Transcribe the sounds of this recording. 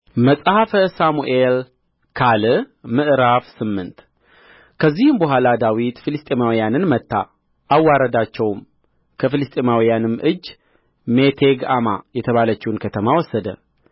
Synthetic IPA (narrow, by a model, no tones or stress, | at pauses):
məsʼhafəsamuʔel | kʰalɨmɨʔɾafsɨmːɨnt̪ | kʰəzːihɨmbəɦʷalad̪awit̪filɨst̪ʼemawijanɨnmət̪ʰːa̰ | ʔawːaɾəd̪at͡ʃːɛwm | kʰəfɨlɨst̪ʼemawijanɨmːʔɨd͡ʒː | me̞t̪ʰeɡa̰majɛt̪ʰəβalət͡ʃːɛunkʰət̪ʰəmawɔsːəd̪ə̰